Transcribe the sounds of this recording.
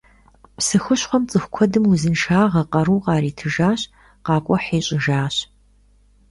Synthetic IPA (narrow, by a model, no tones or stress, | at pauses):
psɨxɨɕχʷɔmt͡sʼɨxʷkʷʰɔdɨmuzɨnʂaːʁɐqɐɾuːqɑːɾiːtʰɨʒaːɕ | qɑːkʷʼɔħeːɕʼɪʒaːɕ